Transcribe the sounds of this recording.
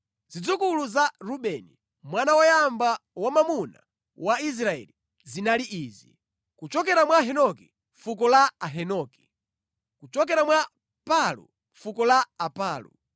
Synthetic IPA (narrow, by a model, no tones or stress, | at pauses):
zid͡zukuluzaɾuɓɛni | mwanawajambawamamuna̰ | wais̬ɾaɛ̰li | zinaliʔiːzi | kut͡ʃɔk̬ɛɾamwaɦɛnɔkɛ | ɱfuk̬ɔlaaɦɛnɔkɛ̥ | kut͡ʃɔk̬ɛɾamwa | palṵ | ɱfukɔlaːpaːlṵ